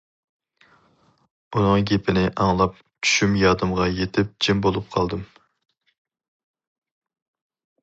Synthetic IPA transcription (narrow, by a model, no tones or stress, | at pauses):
unɨŋɡʲepʰɪnɪʔɑŋlˠɑp̚ | t͡ʃʰy̥ʃymjɑːd̪ɨmʁɑjet̪ʰɪp̚d͡ʒɪmbolˠup̚qʰɑlˠd̪ɨm